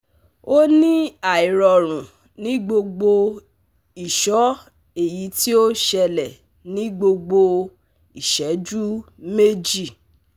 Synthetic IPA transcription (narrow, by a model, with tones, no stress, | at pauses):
o˦nĩ˦a˨i˨ɾɔ˧ɾ̃ũ˨ | nĩ˨˦ɡ͡bo˧ɡ͡bo˧ | i˨ʃɔ˨˦ | e˦˨ji˨˦ti˦o˦ʃɛ˧lɛ˨ | nĩ˦ɡ͡bo˧ɡ͡bo˧ | i˨ʃɛ˨˦d͡ʒu˦ | me˦d͡ʒi˦˨